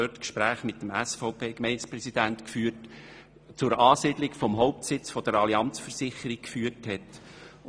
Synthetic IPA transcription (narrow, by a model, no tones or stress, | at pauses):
øtkʃpɾæːχmɪtːəmæsfɔʊpʰeːkmɛɪnspɾɛsid̥̪æntkfyːt | t͡sʊɾɑːsid̥̪lɪkfɔmɦɔʊp̚tsɪt͡sfɔd̥əɾɑliɑnt͡sfəsɪχəɾik̚kfyːərthɛt